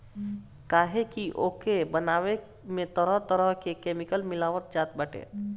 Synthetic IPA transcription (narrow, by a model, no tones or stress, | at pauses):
kaɦekiʔokebənawe | met̪əɾəɦt̪əɾəɦkekemikəlmilaʋət̪̚d͡ʒat̪̚bəʈḛ